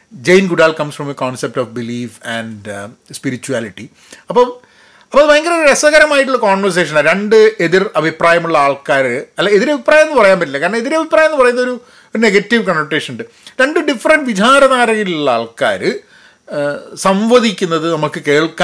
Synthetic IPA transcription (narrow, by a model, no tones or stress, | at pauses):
d͡ʑejnɡuɖaːlkɐmsfrɐmekoːnsep̚tofbiliːfæɳɖ | spiɾit͡ɕːuaːliʈːi | ɐpːoː | ɐpːoðɐɐŋɡɐloɾuɾɐsɐɣɐɾɐmaːjiʈ̬ːuɭːɐkoːɳʋɐrs̬e̞ːʂ̬ɐnaɾeɳɖɨe̞ðirɐbʱipraːjɐmuɭːɐaːɭkaːɾɨɐlːɐeðiɾɐbʱipːraːjɐmenːɨpɐrɐjaːnbɐʈ̬ːilɐkːaːɾɐɳɐme̞ðiɾɐbʱipraːjɐenːɨpɐrɐjunːɐo̞ɾu | o̞ɾneɡɐtːiʋkɐnʋɐʈːe̞ːʂɐnuɳɖɨ | ɾeɳɖɨɖifːɐrɐɳɖʋit͡ɕaːɾɐðaːɾɐɣiluɭːɐa̰ːɭka̰ːɾɨ | sɐmʋɐðikʲːunːɐðɨnɐmukːɨke̞ːɭkːa